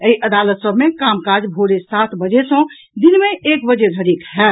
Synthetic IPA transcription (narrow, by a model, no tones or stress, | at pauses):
əiʔəd̪aːlət̪səbʱmẽkaːmkad͡ʒbʱoːɾesat̪ʰbəd͡ʒesə̃ | d̪inmẽʔeːkbəd͡ʒed̪ʱəɾiːkɦɛ